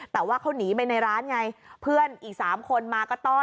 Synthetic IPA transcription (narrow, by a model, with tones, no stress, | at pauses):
t̪ɛː˨˩waː˥˩kʰa˦˥˩wniː˩˦pa˧jna˧jɾaː˦˥nŋa˧jpʰɯ˥˩ənʔiː˨˩k̚saː˩˦mkʰo˧nmaː˧kɔː˥˩t̪ɔː˥˩